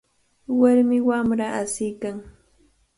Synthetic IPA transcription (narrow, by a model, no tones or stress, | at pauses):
waɾmɪwamɾaʔasɪjkaŋ